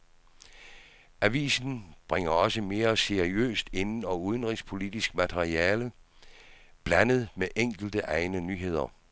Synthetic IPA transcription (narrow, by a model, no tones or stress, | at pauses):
æʋḭːsn̩b̥ʁeŋ̰ɐɒ̽səme̝ːɐse̝ʁiø̰ːsd̥e̝nn̩ɒuðˠənʁispʰo̝lid̥isɡ̥mæt͡sʰeʁiɛːlə | b̥lænəð̞̩ˠmeʔeŋ̰ɡ̥l̩d̥əʔɑ̈ɪnənyːɦe̝ð̰ˠɐ